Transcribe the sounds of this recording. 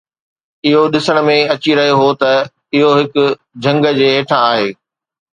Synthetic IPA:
ɪɦoɗɪsəɽ̃̆mẽɐt͡ɕiɾɐɦioɦot̪ɐ | ɪɦoɦɪkʊ̆ | d͡ʑʱɐ̃ŋɡə̆d͡ʑeːeːʈʰãaːɦeː

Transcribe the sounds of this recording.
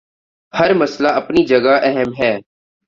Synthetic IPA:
hɐɾmɐslaɐpnid͡ʒɐɡaʔɛɦəmɦɛː

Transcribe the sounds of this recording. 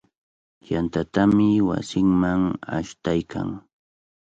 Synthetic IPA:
jant̪at̪amɪwa̰sɪŋmaŋa̰ʃt̪ajkʰa̰ŋ

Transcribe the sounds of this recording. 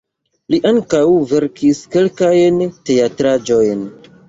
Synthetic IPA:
liʔaŋkawve̞ɾkʰiske̞lkajnte̞atɾad͡ʒo̞jn

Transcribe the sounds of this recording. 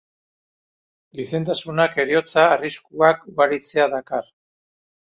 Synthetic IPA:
ɡise̞nt̪̬asunake̞ɾio̞t͡saːriskuakuɣaɾit͡se̞aðakar

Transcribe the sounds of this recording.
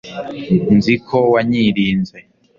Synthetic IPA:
nzikʰowaɲiɾiːnze

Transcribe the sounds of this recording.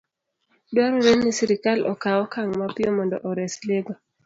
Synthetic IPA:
dwaɾɔɾennisiɾikalʔɔ̰kawɔkaŋmapɪjɔmɔndɔ̰ʔɔɾɛsleɡɔ

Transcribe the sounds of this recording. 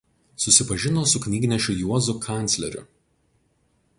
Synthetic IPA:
sʊsʲɪpɐʒʲɪnoːsʊkʲnʲiːɡʲnʲɛʃʲʊjuɔzʊkʰɑˑnʲt̪sʲlʲɛɾʲʊ̰

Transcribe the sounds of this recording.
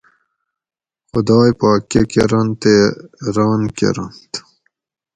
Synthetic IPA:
xʊd̪ɑːjpaːkekeɾɐnt̪eɾɑːnkḛɾɐnt̪

